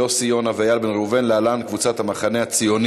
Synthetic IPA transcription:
o̞sijo̞navajalbenʁuve̞nlealankvut͡sat̪hamaχane̞at͡sijo̞n

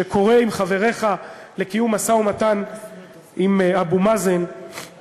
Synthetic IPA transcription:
ekʰo̞ʁe̞imχave̞ʁe̞χa | le̞kijumasaumatan | ʔimabumazen

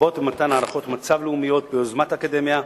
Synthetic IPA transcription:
ot̪mat̪anaːʁaχo̞t̪mat͡savleumijo̞t̪̚beozmat̪akad̪e̞mja

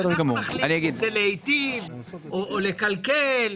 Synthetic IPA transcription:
ɾoɡamolaniaɡideleejt̪ivoʔːlekalkel

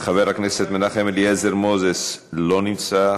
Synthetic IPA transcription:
χaveɾhakneset̪menaχemeljezeɾmozeslonimt͡sa

